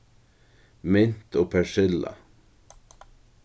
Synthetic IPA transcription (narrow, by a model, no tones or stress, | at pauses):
mɪnt̪ʰoːpʰæʃɪlɑ̰